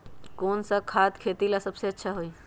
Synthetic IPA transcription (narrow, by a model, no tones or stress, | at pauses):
koːnsakʰaːt̪kʰeːt̪ilasəbseɐtːʃʰaɦoiː